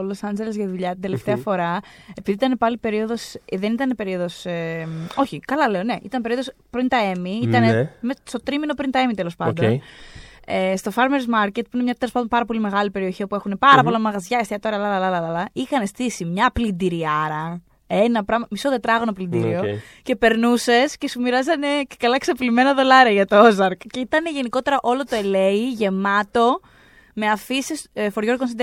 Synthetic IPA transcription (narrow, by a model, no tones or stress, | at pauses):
olo̞sɐnd͡ʒelezʝɐðuʎɐt̪ind̪eleft̪e̞ɐfo̞ɾɐepiðiit̪ɐne̞pɐlipe̞ɾio̞ðo̞sðenit̪ɐnepe̞ɾio̞ðo̞semo̞çikɐlɐle̞o̞ne̞ʔḭt̪ɐnpeɾioðos | pɾint̪ɐe̞miit̪ɐnemest̪o̞t̪ɾimino̞pɾint̪ɐe̞mit̪e̞lo̞spɐoddon | est̪o̞fɐɾmeɾzmɐɾce̞t̪̚puinemɲɐt̪elospɐnd̪opɐɾɐpo̞lime̞ɣɐlipe̞ɾio̞çiopue̞xune̞pɐɾɐpolɐmɐɣɐzʝɐest̪iɐt̪oɾiɐlɐlɐlɐlɐlɐlɐixɐnest̪isimɲɐplind̪iɾiɐɾɐ | enɐpɾɐmɐmisoðet̪ɾɐɣo̞noplind̪ḭɾḭo̞ | ce̞pe̞ɾnuse̞sce̞sumiɾɐzɐne̞ce̥kɐlɐeksɐplime̞nɐðo̞lɐɾiɐʝɐt̪oozɐɾkceit̪ɐne̞ʝe̞niko̞t̪e̞ɾɐʔolo̞t̪oe̞le̞iʝe̞mɐt̪o̞ | me̞ɐfisisfoɾʝo̞ɾɣons̬ind̪e